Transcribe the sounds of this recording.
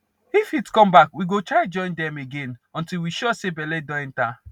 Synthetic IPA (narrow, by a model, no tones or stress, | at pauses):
ifitkɔ̃mbakwiɡotɹaɪd͡ʒɔ̃ɪ̃ndɛ̃meɡẽnɔ̃ntilwiʃɔsebɛlɛdɔ̃ɛ̃nta